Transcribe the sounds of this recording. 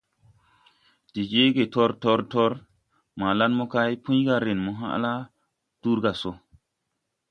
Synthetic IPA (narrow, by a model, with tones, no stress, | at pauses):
ti˨d͡ʒe˦ɡe˨to˦ɾto˦ɾto˦ɾ | ma˨la˦nmo˦ka˦jpũ˦ɡa˧ɾe˨nmo˦ɦa̰˦ʔla˦ | tu˦ɾɡa˨so˦